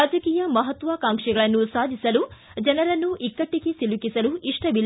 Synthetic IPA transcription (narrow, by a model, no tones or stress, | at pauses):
aːd͡ʒɐkiːjɐmɐɦɐt̪ːʋɐkaːŋʂɛɡɐɭɐnːusaːd̪ʱisɐlu | d͡ʒɐnɐɾɐnːuʔikːɐʈːiɡesilukisɐluiʂʈɐbilː